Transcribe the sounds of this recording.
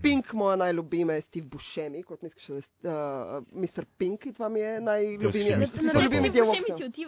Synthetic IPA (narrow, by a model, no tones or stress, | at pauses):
piŋkmɔjanajlʲubimɛst̪ifbuʃɛmikɔt̪miski̥ʃɛd̪a | mist̪əɾpiŋkid̪ʋamjɛnajlʲubimalʲubimid̪jɛwɔai